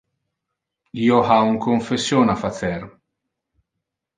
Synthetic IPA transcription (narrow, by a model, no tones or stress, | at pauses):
jɔħauŋkɔɱfɛsːjɔːnɐfɐt͡sɛɾ